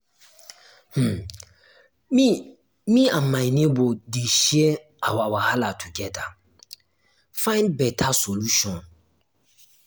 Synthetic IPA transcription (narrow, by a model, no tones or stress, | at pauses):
h̩ | mi | mĩãmãjnebodeʃiɛ | a̰wawahalatʰuɡɛda | fãɪ̃nbɛtʰasoluʃɔ̃n